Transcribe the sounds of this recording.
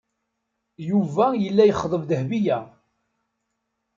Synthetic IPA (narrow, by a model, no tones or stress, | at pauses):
juvæjəlːæjəχðˤəvðəhbijæ